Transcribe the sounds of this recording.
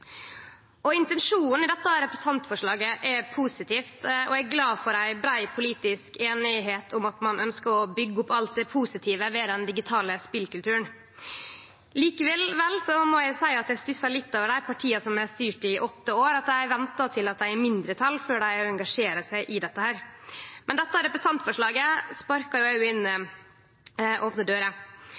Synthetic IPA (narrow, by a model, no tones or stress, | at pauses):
ɔɪnt̪ɛnʂuːnn̩ɪd̪ɛt̪ːɑɾɛpɾɛsɑnt̪fɔʂɭɑːɡəʔɛpʰuːsɪt̪ʰiːft̪ɔæɪɡlɑːfɔɾæɪbɾæɪpʰʊliːt̪ɪskeːnɪɦeːt̪ʰʊmɑt̪mɑnʔœnskəɾɔbʏɡːəʊpːɑlt̪̚d̪ɛpʰuːsɪt̪ʰiːʋəʋɛːd̪ɛnd̪ɪɡɪt̪ʰɑːləspɪlkʉlt̪ʰʉːən | liːkəʋɛlʋɛlsɔmɔjæɪsæɪɑt̪æɪst̪ʏsɑɭɪt̪ːoːʋəɖæɪpʰɑʈʰiːɑsɔmæst̪yːʈɪʔɔt̪ːəoːɾɑt̪d̪æɪʋɛnt̪ɑt̪ʰɪlɑt̪̚d̪æɪæɾmɪnd̪ɾət̪ʰɑlːføːɖæɪɔɛŋɡɑʂeːɾəsæɪʔɪd̪ɛt̪ːəhæːɾmʔɛnd̪ɛt̪ːɑɾɛpɾəsɑnt̪fɔʂɭɑːɡəspɑɾkɑjʊɑʉɪnː | ʔoːpnəd̪øːɾə